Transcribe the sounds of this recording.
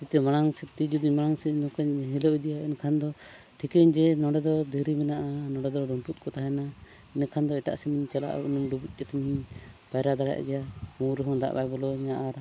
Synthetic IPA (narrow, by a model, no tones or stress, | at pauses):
it̪ɛmaɽ̃aŋsɛt̪id͡ʒud̪iɲmaɽ̃aŋsɛɲɔ̃kɛɲɦilɔʔid̪ijaɛnkʰand̪ɔ | ʈʰikɛɲd͡ʒɛnɔ̃ɖɛd̪ɔd̪iɾimɛnaʔanɔ̃ɖɛd̪ɔɖɔɳʈut̪̚kʰɔt̪aɦɛna | inakʰand̪ɔɛʈa̰ʔsɛmiɲt͡ʃala̰ʔunumɖubuc̚ˀːɛt̪ɛmiɲpajɾad̪aɽa̰jʔa̰ɡɛjamuɾɦɔ̃ŋd̪a̰ʔbajbɔlɔɲaʔaɾ